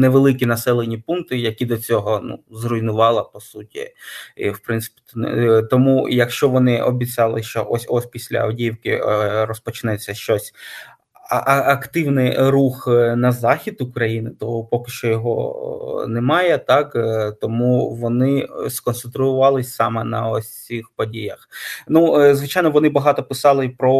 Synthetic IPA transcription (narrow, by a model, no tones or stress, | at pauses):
neʋelˠɪkʲinɐsɛlˠenʲipunt̪ɪjɐkʲid̪ɔt͡sʲɔɦɔnṵzrʊjnʊʋɑlˠɐpɔsutʲḭḭwpɾɪntsɪ̥pʲi̥t̪ɔmujɐkʃt͡ʃɔʋɔnɪʔɔbʲit͡sʲɑlˠɪʃt͡ʃɔ̰ʔɔsʲɔsʲpʲisʲlʲɐ̰ɐ̰wdʲiwkɪ̰rɔspɔt͡ʃɪnɛt͡sʲːɐʃt͡ʃɔsʲ | ʔɐɐkt̪ɪwnɪjruxnɐzɑxʲid̪ʊkɾɐjinɪt̪ɔpɔkɪ̥ʃt͡ʃɔjɔɦɔ | nɛmɑjɛt̪ɑkt̪ɔmuʋɔnɪskɔnt̪sent̪ɾʊʊʋɑlˠɪsʲsɑmɛnɐɔsʲixpɔdʲijɐxnuzʋɪt͡ʃɑjnɔʋɔnɪbɐɦɑt̪ɔpɪsɑlˠɪpɾɔ